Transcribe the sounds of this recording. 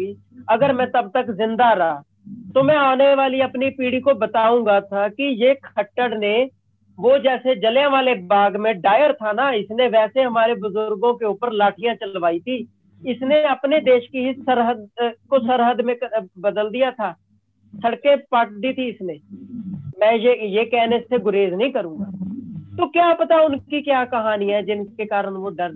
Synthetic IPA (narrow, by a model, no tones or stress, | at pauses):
iː | əɡəɾmɛ̃ːt̪əb̚t̪əkzɪ̃nd̪aɾaː | t̪oːmɛ̃ːaːneʋaːliəpnipiːɽiːkobət̪aːũ̆ːɡaːt̪ʰaːkijeːkʰəʈːəɽneː | ʋoːd͡ʒɛːsed͡ʒəljãʋaːlebaːɡmẽɖaːjəɾt̪ʰaːnaɪsneʋɛːseɦəmaːɾebʊzʊɾɡõkeʊpəɾlaːʈʰɪjãːt͡ʃəlʋaːit̪ʰiː | ɪsneəpneːd̪eːʃkiɦɪsəɾɦəd̪koːsəɾɦəd̪mẽːbəd̪əld̪ɪjaːt̪ʰaː | səɽkeːpəʈ̚d̪iːt̪ʰiːɪsneː | mɛ̃ːjejeːkɛːnɪst̪ʰeːɡʊɾeːznəĩːkəɾũːɡaːt̪oːkjaːpət̪aːʊnkiːkjaːkəɦaːniːɛːd͡ʒɪnkeːkaːɾəɳʋoːɖəɾ